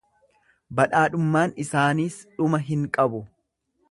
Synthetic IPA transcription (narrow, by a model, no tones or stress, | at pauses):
bɐᶑaːᶑʊmːaːnɪsaːniːsᶑʊmɐɦɪŋkʼɐbʊ